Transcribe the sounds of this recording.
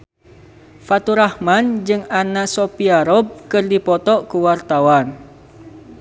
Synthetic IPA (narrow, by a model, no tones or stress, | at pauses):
fat̪uɾahmand͡ʒɨŋanasopiaɾɔb̚kɨrdipɔt̪ɔʔkəwart̪awan